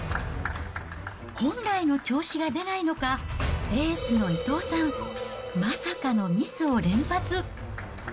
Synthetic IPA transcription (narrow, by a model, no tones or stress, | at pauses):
hõ̞nɾaino̞t͡ɕo̞ːɕiɡad̪e̞naino̞kae̞ːsɨno̞it̪o̞ːsãŋ | masakano̞mʲisɨo̞ɾẽ̞mpat͡sɨ